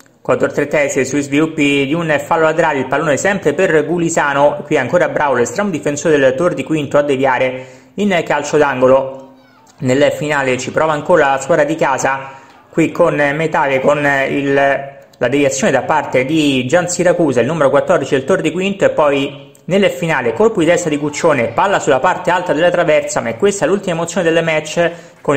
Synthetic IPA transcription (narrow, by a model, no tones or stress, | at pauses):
kwat̪ːort̪ɾet̪ːɛsesuizvilupːid̪iunfalːolat̪eɾaːleilpalːoːnesɛmpɾeperɡulizaːnoekːwiɛaŋkoːɾabɾavolest̪ɾɛːmod̪ifensoːɾed̪elt̪ord̪ikwint̪oad̪ːevjaːɾe | inkalt͡ʃod̪aŋɡolo | nelfinaːlet͡ʃipɾɔːvaːŋkoːɾaaskwaːɾad̪ikaːza | kwikʰːonmet̪aːlekonḭl | lad̪evjat̪sːjoːned̪apart̪ed̪id͡ʒansiɾakuːzailnuːmeɾokwat̪ːɔrd̪it͡ʃid̪elt̪ord̪ikwint̪oepːɔj | nelːfinaːlekolpod̪it̪ɛst̪ad̪ikut͡ʃːoːnepalːasulapart̪ealt̪ad̪elːat̪ɾavɛrt̪samaɛkːwest̪aɛlult̪imaemot̪sjoːned̪elːemɛt͡ʃː | ko